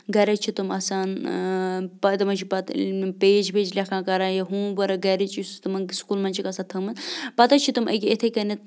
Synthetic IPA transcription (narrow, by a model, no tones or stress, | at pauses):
ɡɐɾɐt͡ʃʰit̪umɐsaːn | pɐt̪ɐmɐt͡ʃʰipɐt̪peːd͡ʒpeːd͡ʒlʲɐkʰãːkɐɾãːjɐɦũːʋɐɾɐɡɐɾit͡ʃist̪ɐmɐskulmɐnʲt͡ʃʰikɐsãːt̪ʰɐmɐzpɐt̪ɐt͡ʃʰit̪umʔə̰ɡʲiet̪ʰekɐnit̪̚